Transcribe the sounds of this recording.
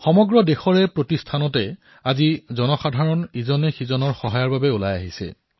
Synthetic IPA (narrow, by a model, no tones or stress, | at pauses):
xɔmɔɡɹɔdexɔɹɛpɹotistʰanɔtɛ | azizɔnɔxadʱaɹɔnizɔnɛxizɔnɔɹxɔɦajaɹbabɛolajaɦisɛ̰